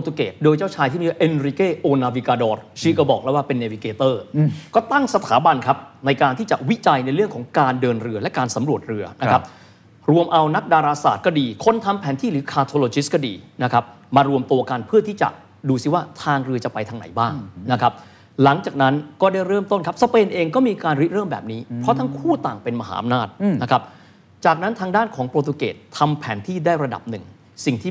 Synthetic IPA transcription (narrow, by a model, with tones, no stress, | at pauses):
o˧t̪u˧kḛː˨˩t̪̚doː˧jt͡ɕaː˥˩wt͡ɕʰaː˧jt̪ʰiː˥˩i˧˩wʔe˧nɾi˧keː˥˩ʔoː˧naː˧wi˧kaː˧dɔː˧˩ɾsi˦˧˥kɔ˧˩bɔː˨˩k̚lɛ˦˥waː˥˩pe˧nːeː˧wi˧keː˨˧t̪ɤː˥˩kɔː˥˩t̪a˥˩ŋsa˧t̪ʰaː˩˦ba˧nkʰa˦˥p̚na˧jkaː˧nt̪ʰiː˥˩t͡ɕa̰˨˩wi˦˥t͡ɕa˧jna˧jɾɯ˥˩əŋkʰɔː˩˦ŋkaː˧ndɤː˧nɾɯ˧əlɛ˦˥kaː˧nsa˩˦mɾu˨˩ət̪̚ɾɯ˧ɐna˦kʰa˦˥p̚ | ɾu˧əmʔa˧wna˦˥k̚daː˧ɾaː˧sa̰ː˨˩t̪̚kɔː˥˩diː˧kʰo˥˩nt̪ʰa˧mpʰɛː˩˦nt̪ʰiː˥˩ɾɯː˨˦kʰaː˧t̪ʰo˧loː˧t͡ɕi˦˥skɔː˥˩dḭː˧na˦˥kʰa˦˥p̚ | maː˧ɾu˧əmt̪u˧ɐka˧npʰɯ˥˩t̪ʰiː˥˩t͡ɕa̰˨˩ | duː˧si˨˥˩waː˥˩t̪ʰaː˧ŋɾɯ˧ət͡ɕa˨˩pa˧jt̪ʰa˧ŋna̰˩˦jbaː˥˩ŋŋna˦˥kʰa˦˥p̚ | la˨˩˦ŋt͡ɕaː˨˩k̚na˦˥nkɔː˥˩da˥˩jɾɤː˥˩mt̪o˥˩nkʰa˦˥p̚sa˧peː˧nʔeː˧ŋkɔː˥˩miː˧kaː˧nɾi˦˥t̪̚ɾɤː˥˩mbɛ̰ː˨˩p̚niː˦˥ɾɔ˦˥t̪ʰa˦˥ŋkʰuː˥˩t̪aː˨˩ŋpe˧nma˧ɦa̰ː˩ʔa̰˧mnaː˥˩t̪̚na˦˥kʰa˦˥p̚ | t͡ɕaː˨˩k̚na˦˥nt̪ʰaː˧ŋdaː˥˩nkʰɔː˩˦ŋpɾoː˧t̪ʰu˧kḛː˨˩t̪ʰːa˧mpʰɛː˩˦nt̪ʰiː˥˩daː˥˩jɾa˧da̰˨˩p̚nɯ˨˩ŋ | si˨˩ŋt̪ʰiː˥˩